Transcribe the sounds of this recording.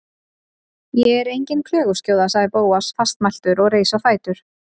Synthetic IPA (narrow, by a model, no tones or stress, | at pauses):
jɛɛɾejɲcɪnkʰl̥œːɣʏ̥scjoːwðasaɣðɪɾpoːwasfast̪majl̥t̪ʏɾɔɣreːjsawfaːjt̪ʏɾ̥